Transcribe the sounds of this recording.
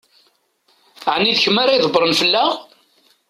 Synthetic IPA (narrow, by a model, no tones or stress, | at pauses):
ʕnːiðçəmːaɾajðˤəbɾˤənfəlːaʁ